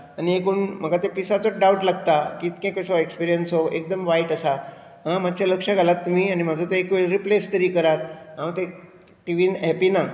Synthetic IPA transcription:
aniekunm̤əɡat̪episat͡soɖauʈlaɡt̪akiːt̪kẽkəɕɔekspiɾijənsɦoʔek̚d̪əmʋaiʈasa | ɦãmad̪̚t͡ɕaləkʂəɡʱalat̪ːum̤iːanim̤ad͡zʱot̪eekʋeɭɾiplest̪əɾiːkəɾat̪̚ɦãt̪e | ʈiʋiːnɦɛpina

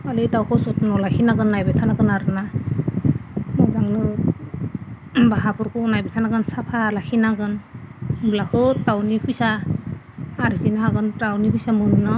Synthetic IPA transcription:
alitawkʰɯsutnɔlakʰinaɡɯnːajbɛtʰanakɯnaɾɯna | mɔzaŋnɯ | baɦapʰuɾkʰɯːnajbɛtʰanaɡɯnsapʰalakʰinaɡɯnbulakʰɯtawnipʰujsaː | ɾzinaaɡɯntawnipʰujsamɯnnɔ

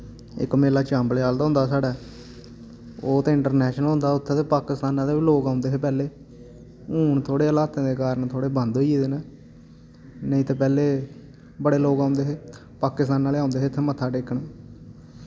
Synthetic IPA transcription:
ɪ̰kmeːlaːt͡ʃãːmbleːaːld̪aɦʊ̃nd̪aːsaːɽaː | oːt̪ẽːɪɳʈəɾnɛːʃnəlɦʊ̃nd̪aːʊt̪ʰːeːt̪eːpaːkɪst̪aːnãːd̪eːʋiːloːkaːʊnd̪eːeːpɛːleː | uːɳt̪ʰoːɽeːəlaːt̪ẽːd̪eːkaːɾəɳt̪ʰoːɽeːbə̃nd̪ɦoieːd̪eːneː | nəĩːt̪eːpɛːleː | bəɽeːloːkãːnd̪eːɦeː | paːkɪst̪aːnːaːleːãːʊ̃nd̪eːet̪ʰːeːmət̪ʰːaːʈeːkːəɳː

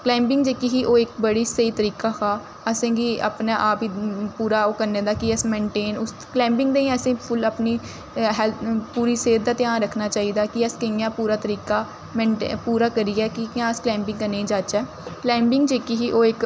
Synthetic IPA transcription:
klɛ̃ːmbɪŋɡd͡ʒeːkiːɦiːʔoːɪkbəɽiːsəiːt̪əɾiːkaːxʰaː | əsẽːɡiːa̰pnaːʔaːpiːpuːɾaːoːkəɾneːd̪aːkɪəsmẽːɳʈeːnʊs | klɛ̃ːmbɪ̃ŋɡd̪eːĩəsẽːpʰʊləpniː | ɦɛlpuːɾiːseːɾd̪aːt̪ɪjãːnɾəkʰnaːt͡ʃaːiːd̪aːkɪəskəijãːpuːɾaːt̪əɾiːkaː | mẽːɳʈːpuːɾaːkəɾiːɛːkɪkãːəsklɛ̃ːmbɪ̃ŋɡkəneːd͡ʒaːt͡ʃɛː | klɛ̃ːmbɪŋɡd͡ʒeːkiɦiːʔoːɪk

